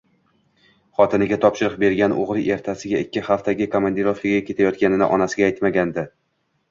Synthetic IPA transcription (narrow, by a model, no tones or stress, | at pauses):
χɒt̪ʰɪnɪɡʲat̪ʰɒpʃɪɾɨq̚be̞ɾɡʲanʔo̰ʁɾɪʔe̞ɾt̪ʰasɪɡʲaɪkʲːɪχaft̪ʰaɡʲɪkʰomand̪iɾofɪɡʲakʲʰe̞t̪ʰajɒt̪kʲanɪnɪ̰ʔɒnasɪɡʲaːjt̪maɡʲand̪ɪ